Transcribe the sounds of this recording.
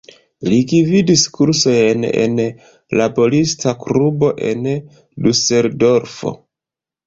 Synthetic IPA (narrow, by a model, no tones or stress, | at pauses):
liɡividiskuɾso̞jne̞̰n | labo̞listʰaklubo̞ʔe̞n | duse̞ɾdo̞ɾfo̞̰